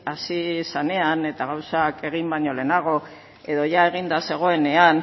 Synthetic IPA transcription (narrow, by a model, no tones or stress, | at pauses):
asisane̞ane̞t̪aɣ̞awsake̞ɣimbaɲo̞le̞naɣ̞o̞ | e̞ðo̞ʝae̞ɣ̞ind̪ase̞ɣ̞o̞e̞ne̞an